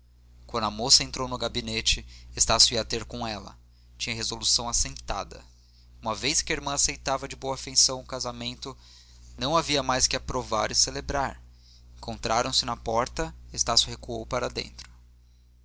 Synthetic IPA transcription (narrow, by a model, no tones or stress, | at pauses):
kwɐ̃nd̪ɐmosɐẽnt̪ɾownʊɡabinet͡ʃɪest̪asjʊiɐt̪eɾkõɛlɐ̰ | t͡ʃĩɲɐɦezolusɐ̃w̃asẽnt̪a̰d̪ɐ̰ | ũmɐvejskɪɐeɾmɐ̃asejt̪avɐd͡ʒɪbowɐafẽsɐ̃w̃ʊkazamẽnt̪ʊ | nɐ̃w̃aviɐmajskɪapɾova̰ɾɪselebɾaɾ | ẽŋkõnt̪ɾaɾɐ̃w̃sɪnɐpɔɾt̪ɐest̪asjʊhekuowpaɾɐd̪ḛ̃nt̪ɾʊ̥